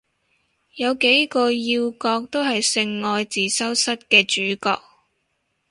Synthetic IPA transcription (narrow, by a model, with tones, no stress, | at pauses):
jɐ˨˧wke˨˥jkɔː˧jiː˧wkɔː˧k̚t̪o˥wɦɐ˨jsɪ˧ŋːɔː˧jt͡siː˨sɐ˥wsɐ˥t̚kɛː˧t͡ʃyː˨˥kɔ̰ː˧k̚